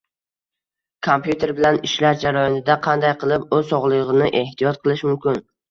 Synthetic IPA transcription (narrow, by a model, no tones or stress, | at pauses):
kʰompjut̪ʰe̞ɾbɪlanɪʃlaɾd͡ʒaɾɒjɒnɪd̪aqʰɑnd̪ajqʰɨlˠɪpɵzsɒʁlˠɨʁɨnɪʔe̞ht̪ʰijɒt̪̚qʰɨlˠɪʃmʊmkʲɪn